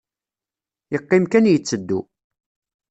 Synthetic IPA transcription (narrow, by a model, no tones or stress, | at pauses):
jəqːɪmkænjət͡sːəd̪ːṵ